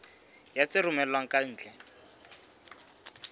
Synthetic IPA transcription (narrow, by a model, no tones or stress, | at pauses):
jat͡sɪrʊmɛlwaŋ̩kʼan̩ːt͡ɬɛ